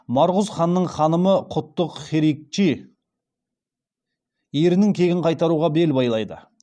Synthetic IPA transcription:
mɑɾʁʊzχɑnːəɴχɑnəməqʰʊt̪ːəqχeɾik̚t͡ʃi | eɾɪnɪŋkʲʰe̞ɡʲɪɴqʰɑjt̪ɑɾuʁɑbe̞lbɑjlˠɑjd̪ə̰

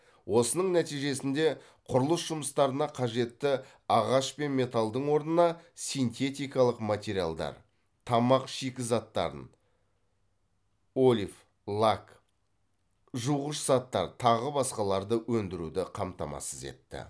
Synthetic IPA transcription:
wʔo̞sənəɴnæt̪ijʒe̞sɪnd̪e̞ | qʰʊɾəlˠəsʒʊməst̪ɑɾənɑqʰɑʒe̞t̪ːɪ | ɑʁɑʃpe̞nme̞t̪alˠd̪əɴwo̞ɾnənɑsijnt̪e̞t̪ijkɑlˠəqmat̪ʲe̞ɾija̰lˠd̪ɑ̰ɾ | t̪ʰɑmɑqʃikʲɪzɑt̪ːɑ̰ɾə̰n | olʲif | lˠak | ʒuʁəʃzɑt̪ːɑ̰ɾt̪ʰɑʁəbɑsqɑlˠɑɾd̪əwɵnd̪ɪɾud̪ɪqʰɑmt̪ɑmɑ̰səze̞̰t̪ːɪ̰

